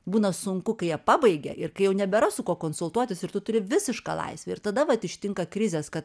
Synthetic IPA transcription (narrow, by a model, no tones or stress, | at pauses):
buːnɐsʊŋkʊkɐɪjiɛpɑːbɐɪɡʲɛ̰ʔɪrkɐɪjɛʊnʲɛbʲɛɾɐsʊkuɔkoːnsʊlˠt̪uɔt̪ʲɪsɪɾt̪ʊt̪ʊɾʲɪʋʲɪsʲɪʃkɑ̰ːlˠɐ̰ɪsʲʋʲɛɪɾt̪ɐd̪ɐʋɐt̪ɪʃʲt̪ʲɪŋkɐkɾʲɪzʲeːskɐt̪